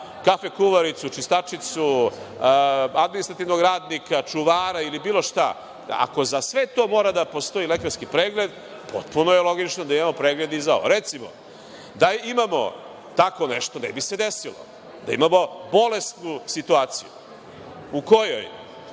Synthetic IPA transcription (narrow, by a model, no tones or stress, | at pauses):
kafekuʋaɾit̪sut͡ʃist̪at͡ʃit̪su | ad̪minist̪ɾat̪iʋnoɡɾaːd̪nikat͡ʂuʋaːɾailibiːlˠo̞ʃt̪a̰ | a̰ko̞zasʋet̪o̞ːmo̞ːɾad̪apo̞st̪o̞ilekaɾskipɾeːɡle̞d̪ | pʰo̞t̪̚punojelˠo̞ɡit͡ʃnod̪aimamo̞pɾeːɡle̞d̪izao̰ʋo̰ɾet̪simo̰ | d̪aimamo̞̰ | t̪ako̞neʃt̪onḛbise̞d̪esilo̰ | d̪aḭmamo̞bo̞le̞st̪nusit̪uaːt̪sḭjṵ | uko̞jo̰j